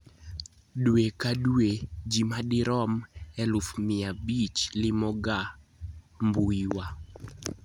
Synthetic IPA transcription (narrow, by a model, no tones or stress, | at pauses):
dwekadued͡ʒimadɪɾɔmɛlʊfmɪabit͡ʃlɪmɔɡa | mbuiwa